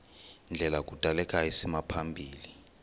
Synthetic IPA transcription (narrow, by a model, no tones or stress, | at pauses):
nd͡ɮʱɛlak̬ʼud̥ʼʱalɛkʼaisimapʰambʱiːli